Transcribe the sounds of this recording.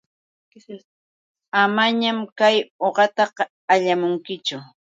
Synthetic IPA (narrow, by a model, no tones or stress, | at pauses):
amaɲamkajoɢɑt̪ɑq | aʎamʊŋkɪt͡ʃʊ